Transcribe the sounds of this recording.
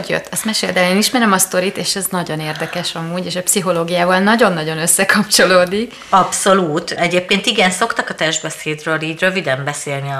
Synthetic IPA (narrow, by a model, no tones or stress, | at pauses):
ɟjø̰t̪ːɒst̪mɛʃeːld̪ɛleːniʃmɛɾɛmɒst̪o̞ɾit̪eːʃɛznɒɟo̞neːrd̪ɛkɛʃɒmuːɟeːʃɛpsiɦo̞loːɡijaːvɒlnɒɟo̞nːɒɟo̞nøsːɛkʰɒpt͡ʃo̞loːd̪ik | ɒpso̞luːt̪ɛɟeːp̚keːnt̪iɡɛnso̞kt̪ɒkɒt̪ɛʒbɛseːd̪røːliːɟrøvid̪ɛmbɛseːlniɒ